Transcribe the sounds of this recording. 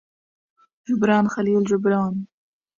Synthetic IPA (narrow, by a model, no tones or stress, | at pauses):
d͡ʒʊbɾɑːnxaliːld͡ʒʊbɾɑːn